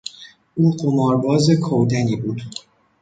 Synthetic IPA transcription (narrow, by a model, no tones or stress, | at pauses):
ʔuːɢomɒːɾbɒːze̞kʰowd̪æniːbuːd̪